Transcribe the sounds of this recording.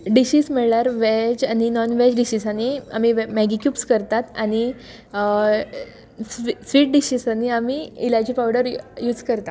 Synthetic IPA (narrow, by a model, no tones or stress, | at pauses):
ɖiɕiːsməɭlaɾʋɛd͡ʑañinɔnʋɛd͡ʑɖiɕiːsañia̰mimɛɡikjuːpskəɾt̪at̪añi | sisʋiːʈ̚ɖiɕiːsaniamiilad͡ʑiːpawɽəɾjuːd͡zkəɾt̪a